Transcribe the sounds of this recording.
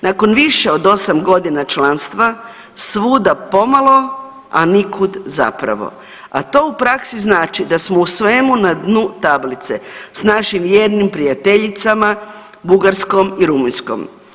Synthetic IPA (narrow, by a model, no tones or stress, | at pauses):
nako̞nʋiʃeo̞d̪o̞samɡo̞d̪inat͡ʃlaːnst̪ʋa | sʋuːd̪apo̞malˠo̞ | anikʰud̪za̰pɾa̰ʋo̞̰ | a̰t̪o̞upɾaksiznaːt͡ʃid̪asmousʋe̞munad̪nut̪ablit̪sesnaʃimʋjeːɾnimpɾijat̪e̞ʎit̪sama | buɡaɾsko̞miɾumuɲʲsko̰m